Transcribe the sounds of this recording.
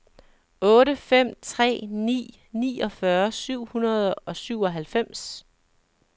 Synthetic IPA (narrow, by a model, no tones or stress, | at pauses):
ɔ̽ːɾəfem̰t͡sʰʁɛ̰ːnḭː | nḭːɒ̽fɶɐsyʊ̰hunɐð̞ˠɒ̽syʊ̰ɒ̽ɦælfem̰s